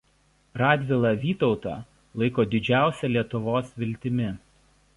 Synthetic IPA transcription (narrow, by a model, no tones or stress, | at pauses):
ɾɑːd̪ʲʋʲɪlˠɑˑʋʲiːt̪ɔʊt̪ɑ̰ːˑ | lˠɐɪkoːd̪ʲɪd͡ʒʲæˑʊsʲɛlʲiɛt̪ʊʋoːsʋʲɪlʲt̪ʲɪmʲɪ